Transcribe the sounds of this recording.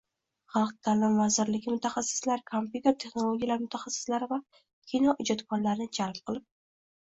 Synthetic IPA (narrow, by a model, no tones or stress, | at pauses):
χɑlˠq̚d̪ʰaːlɪmvazɪɾlɪɡʲɪmʊt̪ʰaχasːɪ̥slaɾkʰompjut̪ʰeɾt̪ʰe̞χnolˠoɡʲijalaɾmʊt̪ʰaχasːɪ̥slaɾɪva | kʲʰinɒʔʊd͡ʒat̪kʰɒnlaɾɪnɪd͡ʒalˠp̚qʰɨlˠɪp̚